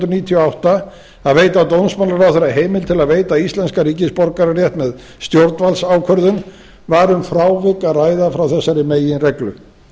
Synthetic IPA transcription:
t̪ɾʏniːt̪ʰijɔawht̪a | aðveːjt̪aːwt̪ownsmanlaɾawθɛɾaɦeːjmɪlt̪ʰɪlaðveːjt̪aist̪lɛnskaɾiːcɪspɔɾkaɾarjɛht̪mɛð | st̪jowɾt̪nvalsaːwkʰœɾðʏn | vaːɾʏmfɾaːwvɪkːaraːjðafɾawθɛsːaɾɪmeːjɪnrɛklʏ

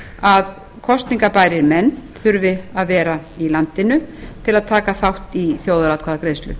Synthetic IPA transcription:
að | kʰɔst̪niŋkapaːjɾɪɾmɛnːθʏɾvɪaðvɛːɾailant̪ɪnʏt̪ʰɪlaðt̪ʰaːkaθawht̪iθjowðʏɾawt̪̚kʰaːðakɾeːðst̪lʏ̰

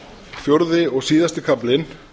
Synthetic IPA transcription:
fjowɾðɪɔɣsiːðast̪ɪkʰaplɪn

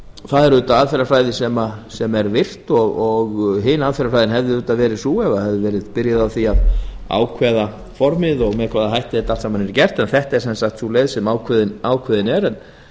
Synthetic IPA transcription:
θaðɛɾʏːt̪aaːðfɛɾafɾaːjðɪsɛmasɛmɛɾvɪr̥t̪ɔɣɔɣɦɪːnaːðfɛɾafɾajðɪnɦɛvðɪʏːt̪aðvɛːɾɪsuɛvahɛvðɪvɛːɾɪðpɪɾjaðawθiaða̰ːwkʰvɛːða | fɔɾmɪðɔɣmɛðkʰvaːðaɦajht̪ɪðɛt̪alsaːmanɛɾcɛr̥t̪ɛnθɛht̪ɛɾ̥sɛnsaxt̪suleːðsɛmaːwkʰvɛðɪnaːwkʰvɛðɪnɛɾɛn

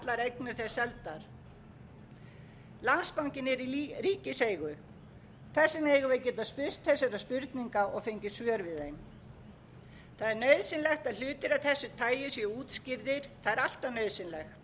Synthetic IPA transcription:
t̪laɾejknɪθɛsɛlt̪aɾ̥ | lanspawŋcɪnɛɾiɾiːcɪseːjɣʏ | θɛsːɪneːjɣʏvejcɛːt̪aðspʏr̥t̪θɛsːɛɾaspʏɾt̪niŋkaɔɣfejɲcɪsjœːɾvɪðejn | θaðɛɾnœːɥðsɪnlɛxt̪aðlʏːt̪ɪɾaθɛsːʏt̪ʰaːjjɪsjɛuːt̪scɪɾðɪɾ̥θaðɛɾal̥t̪avnœːɥðsɪnlɛxt̪

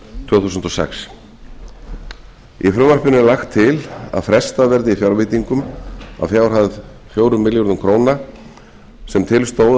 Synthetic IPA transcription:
t̪ʰvœːθuːsʏnt̪ɔsɛ̰ks | ifɾʏːmaɾ̥pʏnʏlaxt̪ʰːɪla̰ðfɾɛst̪avɛɾðɪifjawɾvɪt̪iŋkʏma̰ðfjaːwr̥hað | fjoːwɾʏmːɪljɔɾðʏmkʰɾoːwna | sɛmt̪ʰɪlst̪oːw

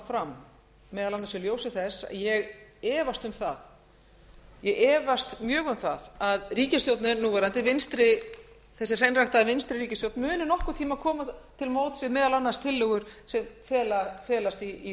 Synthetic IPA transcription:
fɾamː | ɛːðalanːasɛljoːwsɪθɛsjɛɣɛːvast̪ʏmθað | jɛɣɛːvast̪mjœːɣʏmθaðaðriːcɪst̪jowt̪nɪnuːvɛɾant̪̬ɪvɪnst̪ɾɪ | θɛsːɪ̥r̥ejnrajht̪aðvɪnst̪ɾɪɾiːcɪst̪jowt̪nmʏːnʏnɔhkʏɾt̪ʰiːmakʰɔːmat̪ʰɪlmoːwt̪svɪðmɛːðalanːast̪ʰɪlːʏɣʏɾ̥sɛmfɛːlafɛːlast̪iː

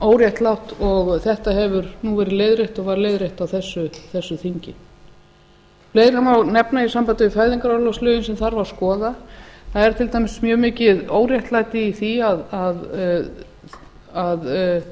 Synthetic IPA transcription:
oːwɾjaht̪lawht̪ɔɣθɛht̪aɦɛvʏɾnuvɛɾɪleːjðɾejht̪ɔɣvaɾleːjðɾeht̪awθɛsːʏθɛsːʏθiɲcɪn | leːjðɾamawnɛpnaisampant̪ʏɪfaɥðiŋkaɾalɔwslœːjɪnsɛmθaɾvaɾ̥skɔːðaθaðɛɾ̥t̪ʰɪlt̪ajmɪsmjœːmɪːcɪðoːwɾjajht̪lajt̪ɪiθiaðað | að

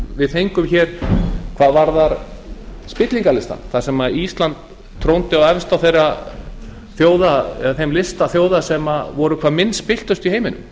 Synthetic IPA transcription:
vɪðθejŋkʏmçɛːɾ̥kʰvaːðvaɾðaɾ | spɪt̪liŋkalɪst̪a̰nθasɛmaðist̪lant̪ʰː | ɾownt̪ɪawɛvst̪awθejra | θjoːwðaɛθejmlɪst̪aθjoːwðasɛmavɔɾʏkʰvaːðmɪnːspɪl̥t̪ʏst̪iɦeːjmɪnʏ̰m

